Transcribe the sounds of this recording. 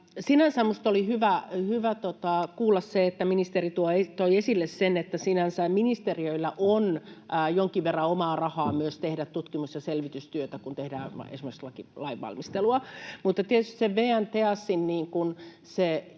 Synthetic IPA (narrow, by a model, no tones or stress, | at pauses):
sinænsæmmust̪olihyʋæhyʋæt̪ot̪ɑkuːlːɑsseet̪ːæminist̪erit̪uoet̪oiesilːessenet̪ːæsinænsæminist̪eriøilːæʔonːjoŋkiʋʋerːɑomɑːrɑhɑːmyøst̪ehdæt̪tut̪kimusjɑselʋit̪yst̪yøt̪ækunt̪ehdæ̰ːḛsimekslɑkilɑiʋːɑ̰lmist̪eluɑmut̪ːɑt̪iet̪yst̪ĭ̥seʋʋeːænt̪eɑsːinniːŋkun | se